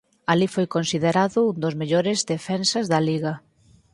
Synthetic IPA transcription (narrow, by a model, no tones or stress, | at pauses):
alifojkonsiðeɾaðʊund̪ʊzmeʎoɾɪzðefɛnsɐzðɐliɣɐ